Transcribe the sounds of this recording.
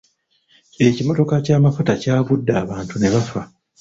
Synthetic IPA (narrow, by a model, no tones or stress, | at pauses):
e̞cimo̞to̞kacaːmafutacaːβudːaːβaːntune̞βafa